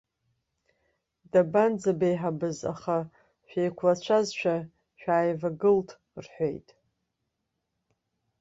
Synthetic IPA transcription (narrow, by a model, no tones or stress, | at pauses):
daband͡zabejħabɨza̰χa | ʃᶣejkʷʰlat͡ʃʷʰazʃʷᶣa | ʃᶣaːjvaɡɨltʰ | rħʷe̞̰jtʼ